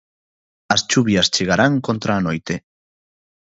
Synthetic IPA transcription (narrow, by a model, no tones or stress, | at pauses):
ɐst͡ʃuβjɐst͡ʃeɣ̞aɾaŋkont̪ɾaːnojt̪e